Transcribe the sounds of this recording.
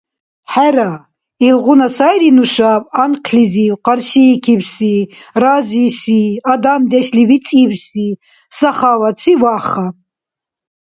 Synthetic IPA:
ħæɾa | ilʁunasajɾinuʃapʼanqʰliziwqʼaɾʃikʰibsirazisiad̪amd̪ɛʃlivit͡sʼibsi | saχavat͡sʰivaχa

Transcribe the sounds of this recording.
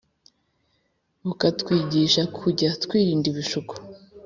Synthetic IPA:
ukatkwiːɟiʃakʰuɟatkwiːɾiːndiβiʃuku̥

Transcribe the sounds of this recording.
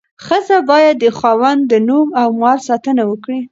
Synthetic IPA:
xəzabɑjad̪ːəxɑwand̪ənumawmɑɾsɑt̪ənawəkɽi

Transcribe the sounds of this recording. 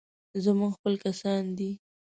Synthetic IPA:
zamuɡxpəlkasɑnd̪i

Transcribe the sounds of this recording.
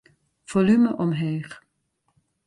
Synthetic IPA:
v̥olyməʔɔmɦeːχ

